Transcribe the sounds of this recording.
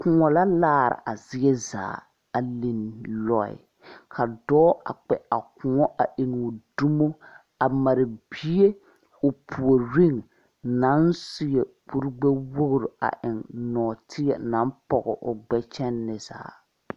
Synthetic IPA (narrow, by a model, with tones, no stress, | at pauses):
kʊ˨ŋɔ˨la˦laː˦˨ɾɪ̰˨ʔa˨zɪ˦ɛ˦za̰ː˨ | a˨li˨nlɔ˦ɪ̰˨ | kʰa˨dɔː˦a̰˨k͡pɛ˨a˨kʊ˨ŋɔ˦ʔa˨ʔɪ˨n˨du˦mo˦ | a˨ma˨ɾɪ˨bi˦e˦ | ʊ˨pʰu˨o˨ɾi˦ŋ | na˨˦nsɪ˦ɛ˨k͡pu˦ɾɡ͡bɛ˦wo˦ɣʊ˦˨ɾʊ˨a̰˨ʔɪ˨ŋnɔː˨tʰɪ˦ɛ˨na˨˦npɔ˨ɣɔ˨ʔʊ˨ɡ͡bɛ˦t͡ʃɛ˦nːɪ˨za̰ː˨